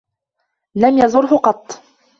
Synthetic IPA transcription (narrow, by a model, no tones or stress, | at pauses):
lamjɑzˤʊɾɦʊqɑt̪ˤː